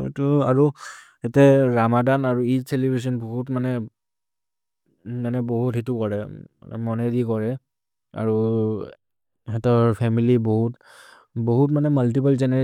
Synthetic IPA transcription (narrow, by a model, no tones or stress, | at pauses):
tuaɹu | ɛtɛɹamadanaɹuitʰelibʱis̬ɔnboɦutmanɛ | manɛboɦutɦitukɔɹɛ̰mɔnɛdikɔɹɛ | a̰ɹu | ɛtɔɹpʰɛmiliboɦut | boɦutmanɛmaltipalzɛnɛ